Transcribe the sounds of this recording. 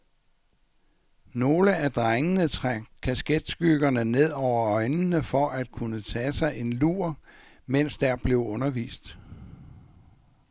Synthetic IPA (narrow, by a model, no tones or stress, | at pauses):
no̝ːləæd̥ʁaŋənət͡sʰkʰæsɡ̥ed̥sɡ̥yɡ̥ɐnəne̝ð̞̰ˠɒʊ̰ɐɒ̽ɪnnəfɒ̽ʔæd̥̚kʰunət͡sʰɛːsɑ̈ɪe̝nluɐ | men̰sd̥æɐb̥le̝ʊɔ̽nɐʋḭːsd̥